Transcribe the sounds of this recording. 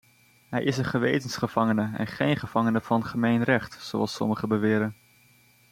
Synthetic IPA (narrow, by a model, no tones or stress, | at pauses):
ɦɛ̰jʔɪsənχəʋḛjtənsχəv̥ɑŋənəɛ̰nχejnχəv̥ɑŋənəvɑnχəmejnrɛχtsowɑ̰lˠsɔ̰məχəbəʋɪːɾən